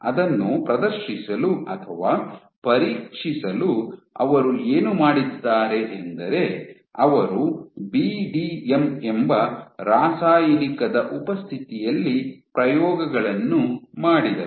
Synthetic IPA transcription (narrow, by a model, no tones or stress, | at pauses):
ɐd̪ɐnːupɾɐd̪ɐɾʃisɐluɐt̪ʰɐʋaː | pɐɾiːkʂisɐluɐʋɐɾue̞ːnumaːɽid̪ːaːɾe̞ʔend̪ɐɾe̞ | ɐʋɐɾubiːɖiːemembɐɾaːsaːjɐnikɐd̪ɐʔupɐst̪ʰit̪ijɐlːipɾɐjɔːɡɐɡɐɭɐnːumaːɽid̪ɐ